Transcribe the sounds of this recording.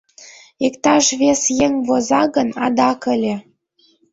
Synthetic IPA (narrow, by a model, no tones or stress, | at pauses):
ikt̪ɑʃβesjeŋβozɑɣənɑ̰d̪ɑkə̆lʲĕ